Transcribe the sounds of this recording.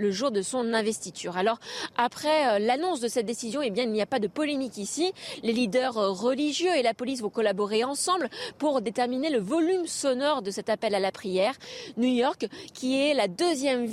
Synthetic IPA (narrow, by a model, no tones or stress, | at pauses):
ləʒuʁd̪əsɔ̃nɛ̃vɛst̪it̪ʰyːʁalɔʁapχɛølanɔ̃sd̪əsɛt̪̚d̪esizjɔ̃ebjɛ̃ilnijapad̪əpɔlemikisilelid̪œʁːəliʒjøelapɔlis̬vɔ̃kɔlabɔʁeɑ̃sɑ̃blpuʁd̪et̪ɛʁmineləvɔlymsɔnɔʁd̪əsɛt̪apɛlalapχijɛʁnujɔʁkʰʲːiɛlad̪øzjɛm